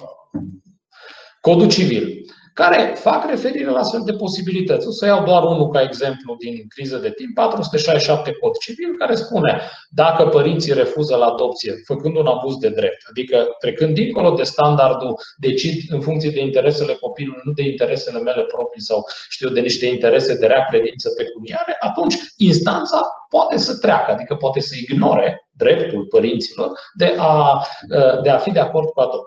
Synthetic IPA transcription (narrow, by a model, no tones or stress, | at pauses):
ko̞d̪ut͡ʃivil | kaɾe̞fakre̞fe̞ɾiɾe̞laast̪fe̞ld̪e̞po̞sibilit̪ət̪sʲo̞səjawd̪oaɾunukae̞ɡze̞mplud̪inkɾizəd̪e̞t̪impːat̪ɾusu̥t̪e̞ʃajʃʃap̚t̪e̞ko̞d̪t͡ʃivilkaɾe̞spune̞ | d̪akəpəɾint̪siɾe̞fuzəlaːd̪o̞p̚t̪sije̞fəkɨnd̪unabuzd̪e̞d̪ɾe̞p̚t̪ad̪ikət̪ɾe̞kɨnd̪ːiŋko̞lo̞d̪e̞st̪and̪ard̪ud̪e̞t͡ʃid̪ɨnfuŋkt̪sijed̪eint̪e̞ɾe̞se̞le̞ko̞pilornud̪e̞int̪e̞ɾe̞se̞le̞me̞le̞pɾo̞pɾijsawʃt̪iwd̪e̞niʃt̪e̞int̪e̞ɾe̞se̞d̪eɾeakɾe̞d̪int̪səpe̞kuniaɾe̞ʔat̪unt͡ʃʲinst̪ant̪sapoat̪e̞sət̪ɾea̰kəad̪ikəpoat̪e̞səiɡno̞ɾe̞d̪ɾe̞pt̪ulpəɾint̪silo̞rd̪e̞ʔaəd̪e̞afid̪e̞ako̞rd̪̚kuad̪op̚